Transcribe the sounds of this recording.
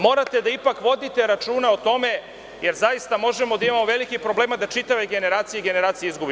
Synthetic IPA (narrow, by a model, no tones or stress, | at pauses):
mo̞ɾat̪e̞d̪aipakʋo̞d̪it̪e̞ɾat͡ʃuːnaot̪o̞me̞ | je̞ɾzajist̪amo̞ʒemo̞d̪aimamoʋe̞likipɾo̞ble̞ːmad̪at͡ʃit̪aʋe̞ɡe̞ne̞ɾaːt̪sijeɡe̞ne̞ɾaːt̪sijeizɡubi